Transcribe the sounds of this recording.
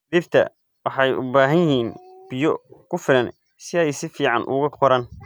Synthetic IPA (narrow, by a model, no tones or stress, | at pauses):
ðiːbt̪ʰɐ̰ | wɑħɑjʔʊ̰baːɦɐnjɪɦiːnb̥ɪjɔkʰʊfɪlɐn | sɪɛjsɪfiːʕɑnʔʊ̰ɣɐqʰɔɾɐn